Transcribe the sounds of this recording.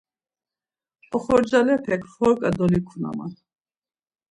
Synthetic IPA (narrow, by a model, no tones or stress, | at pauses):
ɔχɔɾd͡ʒalɛpʰɛkʰχɔɾkʼad̪ɔlikʰuna̰ma̰n